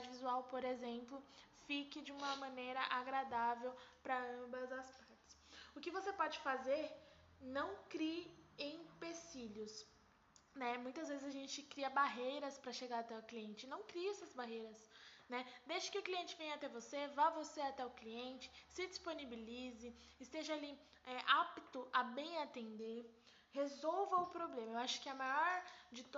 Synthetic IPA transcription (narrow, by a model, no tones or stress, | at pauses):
dad͡ʒɪvizuawpoɾezẽmplʊ | fikɪd͡ʒɪũmɐmɐ̃nejɾɐʔaɡɾad̪avewpɾɐɐ̃bɐzɐspaɾt͡ʃɪ̥sʊkɪvosepɔd͡ʒɪfazeɾ | nɐ̃w̃kɾiɪẽj̃pesiljʊs | nɛmũj̃t̪ɐzvezɪzaʒẽnt͡ʃɪkɾiɐbaɦejɾɐspɾɐʃeɡaɾat̪ɛʊkliẽnt͡ʃɪnɐ̃w̃kɾiɛsɐzbaɦejɾɐsnɛd̪ejʃɐ̥kɪʊkliẽnt͡ʃɪvẽj̃at̪ɛvosevavoseat̪ɛʊkliẽnt͡ʃɪ̥sɪd͡ʒisponibilizɪː | st̪eʒɐali | ɛʔapit̪ʊʔabẽj̃at̪ẽnd̪eɾ | hezowvɐʊpɾoblẽmɐewaʃʊ̥kɪɐmajɔɾd͡ʒɪ